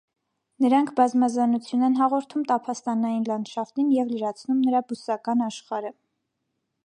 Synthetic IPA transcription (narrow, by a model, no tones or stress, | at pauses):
nəɾɑŋkʰbɑzmɑzɑnut͡sʰjunɛnɦɑʁɔɾt̪ʰumt̪ɑpʰɑst̪ɑnɑjinlɑnd̪ʃɑft̪injɛvləɾɑt͡sʰnumnəɾɑbusɑkɑnɑʃχɑɾə